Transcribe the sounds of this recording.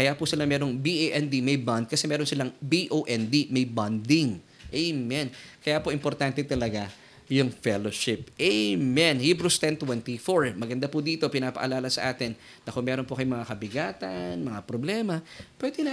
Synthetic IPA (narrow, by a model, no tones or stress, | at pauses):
kɐjaːpʊsɪlamɛːɾo̞ŋbiʔeʔɛnd̪imɐjband̪̚kɐsɛmɛːɾo̞nsɪlaŋbiʔoʔɛnd̪imɐjbɐnd̪ɪŋ | ʔejmɛnkɐjaːpoʔɪmpo̞ɾt̪ant̪ɛt̪ɐlɐɡa | jʊŋfɛloʃɪp̚ʔɛjmɛnhibɾust̪ɛnt̪wɛnt̪ifoɹmɐɡɐnd̪apʊd̪iːt̪o̞pɪnaːpɐ̰ʔɐlaːlɐsɐ̰ʔaːt̪ɪnː | ɐkʊŋmɛːɾonpʊkɐjomɐŋakɐbɪɡaːt̪ɐnmɐŋapɾoblɛːmɐpwɛːd̪ɛna